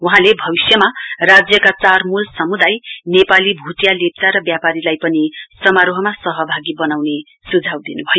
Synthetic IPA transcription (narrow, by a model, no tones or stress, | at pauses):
wuɦãlebʱʌbisjʌmarad͡zjʌkat͡sarmulsʌmud̪ajnepalibʱuʈjalep̚t͡saɾʌbjapaɾilajpʌnisʌmaɾoɦʌmasʌɦʌbʱaɡibʌnawne | sud͡zʱawd̪inubʱʌjo